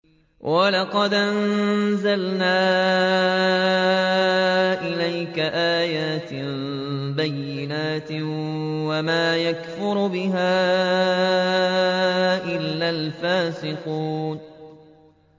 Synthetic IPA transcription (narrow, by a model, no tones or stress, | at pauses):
wʔalɑqɑd̪ʔannzalnaː | ʔɪlajkaʔaːjaːt̪ | bajːɪnaːt̪ɪwamaːjakfʊɾbɪɦaː | ʔɪlːalfaːsɪquːn